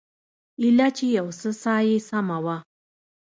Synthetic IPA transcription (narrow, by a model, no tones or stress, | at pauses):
ilat͡ʃejawsəsaːjesamawa